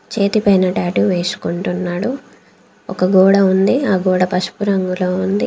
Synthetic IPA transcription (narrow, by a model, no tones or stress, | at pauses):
t͡ʃe̞ːt̪ipɐjnɐʈaːʈuʋe̞ːsu̥kuɳʈunːaːɽu | ɔkɐɡɔːɽɐund̪iaːɡɔːɽɐpɐʂu̥puɾɐŋɡuloːund̪i